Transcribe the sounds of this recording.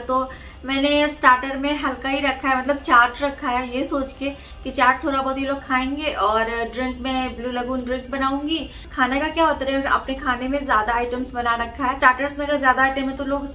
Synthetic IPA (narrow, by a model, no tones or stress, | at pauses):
t̪oː | mɛ̃ːnesʈaːɾʈəɾmẽɦɐlkaɦiɾɐkʰaɦɛmɐt̪̬ləb̚t͡ʃaːɾʈɾɐkʰːaɦɛjesoːt͡ʃke | kit͡ʃaːɾʈ̚t̪ʰoːɾɽabɔɦːt̪ɦiloːɡ̚kʰaːẽːŋɡeʔɔːɾɖɾɪ̃ŋkmẽbluːlɐɡuːnɖɾɪ̃ŋk̚bɐnaːũːŋɡiː | kʰaːnakakjaːɦʊt̪ɾɛɐ̰pnekʰaːnemẽzjaːd̪aːɪʈəmsbɐnaɾɐkʰːaɦɛːt͡ʃaːɾʈəɾsmẽɐɡɐɾzjaːd̪aːɪʈəmːẽt̪oloːɡ